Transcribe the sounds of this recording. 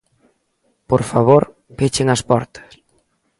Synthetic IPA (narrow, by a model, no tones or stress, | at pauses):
poɾfaβoɾ | pet͡ʃeŋɐspɔ̰ɾt̪ɐ̥s